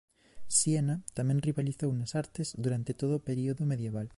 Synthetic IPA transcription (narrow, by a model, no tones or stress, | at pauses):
sienat̪amẽnriβaliθownasaɾt̪ezðuɾant̪et̪oðopeɾioðomeðjeβ̞al